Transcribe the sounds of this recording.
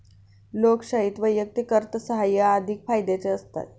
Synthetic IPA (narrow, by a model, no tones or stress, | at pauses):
lokɕaɦit̪ʋəjjək̚t̪ikəɾt̪əsəɦajːaːd̪ʱikfajd̪et͡seəst̪a̰t̪̚